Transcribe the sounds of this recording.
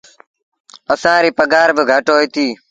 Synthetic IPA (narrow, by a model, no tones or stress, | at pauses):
əsãːɾiːpəɡaːɾbɪɡʱəʈoːiːt̪iː